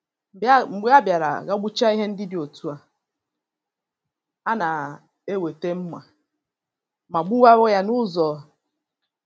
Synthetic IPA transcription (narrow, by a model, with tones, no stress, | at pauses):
ɡ͡ba˦bja˨ɾa̰˨ɣa˦ɡ͡bu˦t͡ʃa˦i˦ɦe˦n̩˦dɪ˦dɪ˨o˨tu˦a˨ | a˦na˨ | e˦we˨te˦m̩˦ma˨ | ma˨ɡ͡bu˦wa˦wɔ˦ja˦nʊ˦zɔ˨˦